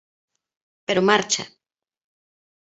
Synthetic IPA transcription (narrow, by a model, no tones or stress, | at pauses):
peɾomaɾt͡ʃa̰